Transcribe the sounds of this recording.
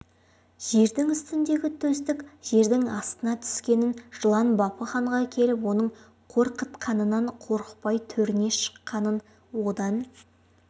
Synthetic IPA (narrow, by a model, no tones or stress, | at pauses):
ʒ̥e̞ɾd̪ɪŋʏst̪ɪnd̪e̞ɡʲɪt̪ʰɵst̪ɪkʒ̥e̞ɾd̪ɪŋɑst̪ənɑt̪ʰʏ̥skʲe̞nɪnʒ̥əlˠɑnbɑpəχɑɴʁɑkʲʰe̞lɪp̬wo̞nəɴ | qʰo̞ɾqət̪qʰɑnənɑɴqʰo̞ɾəqpɑjt̪ʰɵɾɪne̞ʃə̥qːɑnən | wo̞d̪ɑn